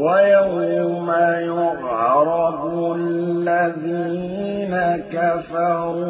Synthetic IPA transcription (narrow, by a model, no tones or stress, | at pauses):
wajawjamajʊʔɾˤɑbualːaðiː | nakafɑɾuː